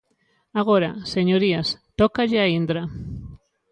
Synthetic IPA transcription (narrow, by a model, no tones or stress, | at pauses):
aɣ̞oɾaseɲoɾiast̪okaʎeaind̪ɾa